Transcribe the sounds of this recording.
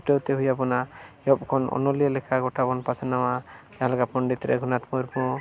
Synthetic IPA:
ʈewt̪eɦujapɔnajɔp̚kʰɔnɔ̰nɔlijəlɛkʰaɡɔʈabɔnpasanawa | aɦlaɡapɔɳɖit̪ɾɛ̰ɡʱunat̪mɔɾpɔ

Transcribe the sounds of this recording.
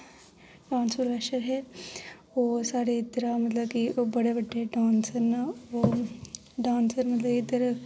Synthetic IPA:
ɖãːnsuɾʋɛːʃəɾɦɛː | oːsaːɾet̪ːɐɾamɐt̪ləbkibɐɽebɐɖːeeɖãːnsəɾnaʋo | ɖãːnsəɾmɐt̪ləbkid̪ɐɾ

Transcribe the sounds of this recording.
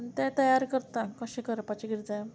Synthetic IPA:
nt̪ɛ̃t̪əjaɾkəɾt̪akəɕẽkəɾpat͡ɕeɡiɾd͡za

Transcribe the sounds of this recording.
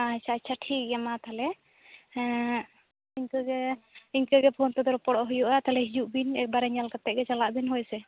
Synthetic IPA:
at͡ʃʰaːt͡ʃʰaʈʰik̚ɡamat̪alɛ | iɲkəɡɛiɲkəɡɛpʰont̪ɛd̪ɔɾɔpɔɽɔʔɦujuʔat̪alɛɦid͡ʒuʔbinɛk̚baɾɛɲalkat̪ɛʔ̚ɡɛt͡ʃalaʔbinɦɔjsɛ

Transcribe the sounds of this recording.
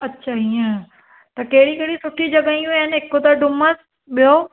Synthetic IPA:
ɐtːɕʰaɦiẽ | t̪ɐkɐɦɪɽikɐɦɪɽisʊʈʰid͡ʑɐɡaĩuənɪɦekot̪aɖʊməs | ɓijo

